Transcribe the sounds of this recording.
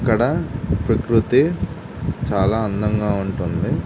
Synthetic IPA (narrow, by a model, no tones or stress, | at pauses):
kːɐɽɐpɾɐkɾut̪i | t͡ʃaːlaːɐnd̪ɐŋɡaːuɳʈund̪i